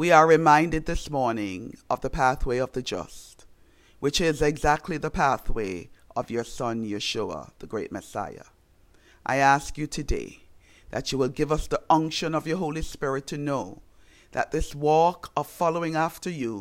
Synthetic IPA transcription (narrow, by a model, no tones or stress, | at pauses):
wiə˞ɹɨmãɪ̃ndɨd̪̚ðɪsmɔɹnɪ̃ŋʌvðəpʰæθweɪʌvðɨd͡ʒʌ̰st | wɨt͡ʃɪzɨɡzæk̚tʰˡliðəpʰæθweɪʔʌvjə˞sʌ̃njɨʃuə̰ðəɡɹeɪt̚mɨsa̰ɪə̰ | ʔa̰ɪæskjɨtʰɨdḛɪ | ðɨ̰t͡ʃɨwəlˠɡɪvʌsðiʌ̃ŋkʃɨ̃nʌvjə˞ɦoʊlˠispɪɹɨtʰɨnoʊ | ðɨ̰t̪̚ðɪswɔkʰʌv̥fɑlˠoʊɪ̃ŋæftə˞ju